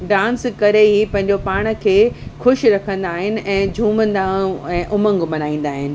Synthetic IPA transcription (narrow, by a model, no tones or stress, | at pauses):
ɖãːnskɐɾeɦipɐ̃ɦɪ̃ɲd͡ʑopaːɽ̃ə̆kʰeːxʊʃɾɐkʰə̃nd̪aːɦɪnɪ̆ɛ̃ːd͡ʑʱũːmə̃nd̪ãɛ̃ːʔʊmə̃ŋɡmɐnaːĩːn̆d̪aːɦɪnɪ̆